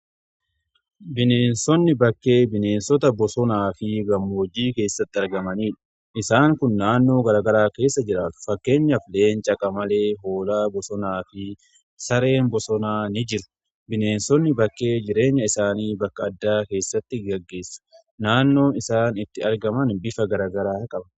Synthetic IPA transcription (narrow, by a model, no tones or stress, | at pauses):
bɪneːnsɔnːɪbɐkːe̞ːbɪneːnsɔt̪ɐbɔsɔnaːfɪɡɐmːoːd͡ʒiːke̞ːsːɐt̪ːɪɐɾɡɐmɐniːᶑɐ̥ | ʔɪsaːŋkʊnːaːnːo̞ːɡɐɾaːɡɐɾaːke̞ːsːɐd͡ʒɪɾaːt̪ʊ̥fɐkːe̞ːɲːɐfle̞ːnt͡ʃʼɐkʼɐmɐle̞ːɦo̞ːlaːbɔsɔnaːfɪ | sɐɾe̞ːnbɔsɔnaːnɪd͡ʒɪɾʊ̥ | bɪne̞ːnsɔnːɪbɐkːe̞ːd͡ʒɪɾe̞ːɲːɐɪsaːniːbɐkːɐːd̪ːaːke̞ːsːɐt̪ːɪɡɐɡːe̞ːsːɐ̥ | naːnːo̞ːnɪsaːnɪt̪ːɪɐɾɡɐmɐnbɪfɐɡɐɾaːɡɐɾaːkʼɐbɐ